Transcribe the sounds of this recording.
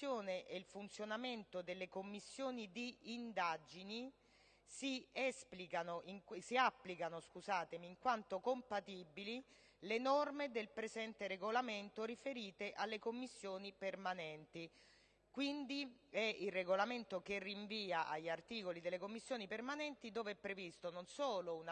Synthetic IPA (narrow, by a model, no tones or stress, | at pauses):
joːneʔelfunt̪sjonament̪od̪elːekomːisːjoːnid̪iːnd̪ad͡ʒini | siɛsplikanoʔiŋksiapːlikanoskuzaːt̪emiːŋkwant̪okompat̪ibili | lenɔrmed̪elpɾezɛnt̪eɾeɡolament̪oɾifeɾiːt̪eʔalːekomːisːjoːnipermanɛnt̪i | kwind̪iɛilrːeɡolament̪ok̟erːiɱviːaʔaʎːart̪iːkolid̪elːekomːisːjoːnipermanɛnt̪id̪oːveɛpːɾevist̪ononsoːloun